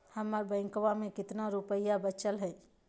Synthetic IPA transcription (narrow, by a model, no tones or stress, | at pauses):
həməɾbə̃ɪ̃ŋkʋamẽkɪt̪naɾupəjabət͡ʃəlɦɛ